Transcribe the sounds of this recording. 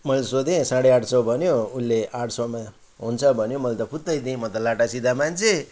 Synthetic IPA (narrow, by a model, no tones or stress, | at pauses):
mʌlsod̪ẽsãɽeaʈsʌwbʱʌnjoulːeʔaʈsʌwma | ɦunt͡sʰʌbʱʌnjomʌlet̪ʌpʰut̪ːʌjd̪ĩmʌt̪ʌlaʈasid̪ʱamant͡sʰe